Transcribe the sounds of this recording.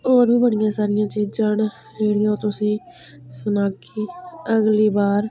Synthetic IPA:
oːɾbʱiːbəɽɪjãːsaːɾɪjãːt͡ʃiːd͡ʒãːɳ | ɦeːɽɪjãːt̪ʊsĩː | sənaːk | iːəɡliːbaːɾ

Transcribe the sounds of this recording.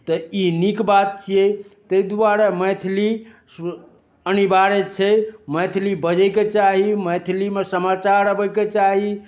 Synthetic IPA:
t̪ɔinikbat̪̚t͡ʃʰijɛt̪əjd̪waɾamət̪ʰli | ənibaɾet͡ʃʰɛməjt̪ʰlibəd͡ʒɛket͡ʃaɦiməjt̪ʰlimesəmat͡ʃaɾɾəbɛket͡ʃaɦi

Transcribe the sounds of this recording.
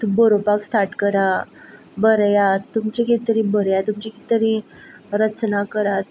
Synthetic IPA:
t̪bəɾopakst̪ʰaʈkəɾa | bəɾjat̪ːumt͡ɕeket̪əɾibəɾjat̪umt͡ɕiket̪əɾi | ɾət͡snakəɾat̪

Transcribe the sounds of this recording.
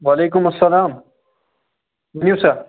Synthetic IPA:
waleːk̬ʊmɐsːɐlaːm | mnjusa

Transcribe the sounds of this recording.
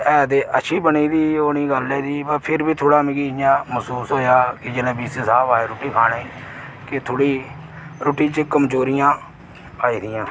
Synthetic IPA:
ɛːd̪eːʔəʃʰiːbəniːd̪iːoːniːɡəlːeːd̪iːbəpʰɪɾbiːt̪ʰoːɽaːmɪɡiːɪjãːməsuːsɦoːjaːkɪd͡ʒeːlẽːbiːssaːpaːeːɾoːʈiːkʰaːɽeːi | kɪt̪ʰoːɽiː | ɾoːʈiːt͡ʃəkəmd͡ʒoːɾɪjãː | aːiːd̪ɪjãː

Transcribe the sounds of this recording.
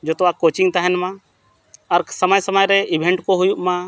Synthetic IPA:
d͡ʒoːt̪akoːt͡ʃɪ̃ŋɡt̪aɦɛnmã | ɔɾsəməjsəməjɾeʔɪbʱẽɳʈkoɦʊjuʔmã

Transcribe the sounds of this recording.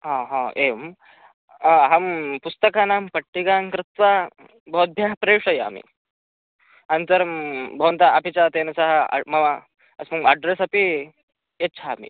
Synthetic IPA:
ɦãɦãem | ɦampust̪əkanampəʈːiɡaŋkɾɪt̪ʋa | bɔut̪̚bʱjaɦpɾeʂɐja̰mḭ | anit̪əɾmbʱəʋənt̪̬aapit͡ɕat̪enɐsaɦa̰mɐʋa | əsməɡaɖɾesapi | etːt͡ɕʰaːmḭ

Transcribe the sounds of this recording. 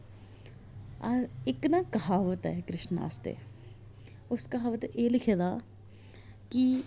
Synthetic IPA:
aɪknaːkɐɦaːʋət̪ɛ̰kɾɪʃna̰ːst̪ḛː | ʊskɐɦaːʋət̪eːlɪkʰeːd̪aː | ki

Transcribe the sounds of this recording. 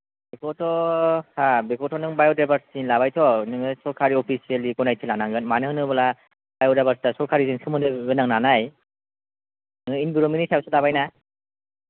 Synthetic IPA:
bekʰɔtɔhabekʰɔtʰɔnɯŋbajɔdabaɾsinlaβajtʰɔnɯŋɯsɔɾkʰaɾiɔpʰisielikɔnajtʰilanaŋɡɯnmanɯɦɯnɯbala | bajɔdabaɾstasɔɾkʰaɾiziŋsʰɯmɯnɯɡɯnaŋnanaj | nɯŋɯinbiɾominisʰawsɯdaβajna

